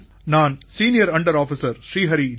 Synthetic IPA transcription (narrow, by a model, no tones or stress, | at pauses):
naːnsiːnɪjɐɾɐɳɖɐɾaːfɪsɐɾʃɾiːɦɐɾi